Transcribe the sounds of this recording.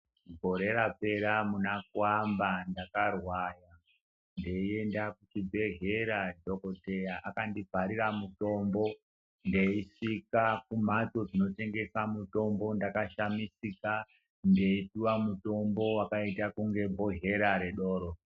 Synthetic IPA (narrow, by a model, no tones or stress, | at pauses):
ɡʱo̞ɾe̞ɾape̞ɾamunakuwambandakarwaja | ndeie̞ndakut͡ʃibʱe̞ɦeɾad͡ʒo̞ko̞te̞jaʔakandivʱaɾiɾamuto̞mbo̞ | ndeiʂikak̚um̤at͡so̞d͡zino̞te̞ŋɡe̞samuto̞mbo̞ndakaʃamisika | nde̞ituwamuto̞mbo̞wakaitakuŋɡe̞bʱo̞ɦe̞ɾaɾe̞ɗo̞ːɾo